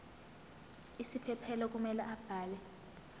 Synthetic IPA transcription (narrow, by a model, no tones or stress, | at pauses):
isipʰɛpʰɛlɔk̬ʼumɛlɛʔab̥ʱaːlɛ